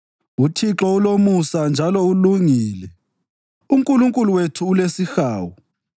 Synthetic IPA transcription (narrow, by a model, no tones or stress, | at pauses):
utʰiǁɔulomusand͡ʒʱalɔuluŋiːlɛ | uŋkʼuluŋkʼuluwetʰuːlesixaːwu